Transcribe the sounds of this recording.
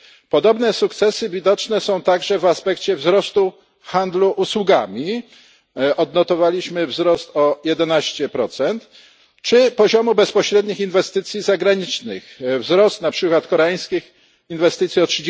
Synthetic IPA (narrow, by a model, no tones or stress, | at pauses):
pɔd̪ɔbnɛsukt̪sɛsɘvʲid̪ɔt͡ʂnɛsɔ̃w̃t̪aɡʐɛvaspɛkt͡ɕɛvzɾɔst̪u | xand̪luʔuswuɡamʲi | ʔɔd̪nɔt̪ɔvalʲiɕmɘvzɾɔst̪ɔjɛd̪ɛnaɕt͡ɕɛpɾɔt̪sɛnt̪ | t͡ʂɘpɔʑɔmubɛspɔɕɾɛd̪ɲixinvɛst̪ɘt̪sʲjizaɡɾaɲit͡ʂnɘxvzɾɔst̪napʂɘkwat̪kɔɾɛaj̃skʲix | invɛst̪ɘt̪sʲjiɔtʂɘd͡ʑ